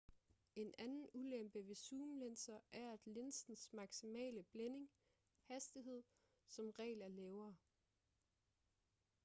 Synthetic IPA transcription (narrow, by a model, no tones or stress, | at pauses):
e̝nænn̩ulem̰b̥əʋe̝suːmlensɐʔæɐæd̥le̝nsn̩smɑ̈ɡ̥simɛ̰ːləb̥lene̝ŋ | hæsd̥iɦe̝ð̰ˠ | sɒ̽mʁɛ̰ːlɐlɛːʊɐː